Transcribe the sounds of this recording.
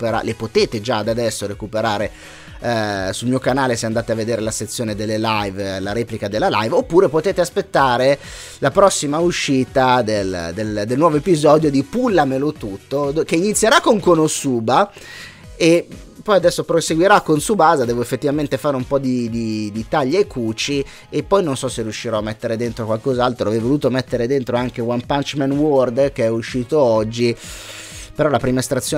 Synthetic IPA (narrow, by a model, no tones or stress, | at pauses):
peɾa̰lepot̪eːt̪ed͡ʒad̪ad̪ɛsːoɾekupeɾaːɾe | sulmiːokanaːleseand̪aːt̪eavːed̪eːɾelaset̪sːjoːned̪elːelajvlaɾɛːplikad̪elːala̰jvopːuːɾepot̪eːt̪easpet̪ːaːɾe | lapɾɔsːimauʃːiːt̪ad̪eld̪eld̪elnwɔːvoepizɔd̪jod̪ipulːamelot̪ut̪ːod̪keinit̪sjeɾakːoŋkonosuːba | epːɔjad̪ɛsːopɾoseɡwiɾakːonsubaːzad̪ɛːvoefːet̪ːivament̪efaːɾeumpɔd̪id̪id̪it̪aʎːeekːuːt͡ʃi | epːɔjnonsɔseriuʃːiɾɔamːɛt̪ːeɾed̪ent̪ɾokwalkozalt̪ɾoavɛjvoluːt̪omet̪ːeɾed̪ent̪ɾoaŋk̟ewampant͡ʃmɛnword̪keɛuʃːiːt̪oɔd͡ʒːi | peɾɔlapɾiːmaest̪ɾat̪sːjo